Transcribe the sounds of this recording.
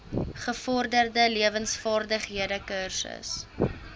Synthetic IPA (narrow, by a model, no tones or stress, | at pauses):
χəfɔrdərdəliəvənsfɑːrdəχɦiədəkərsə̰s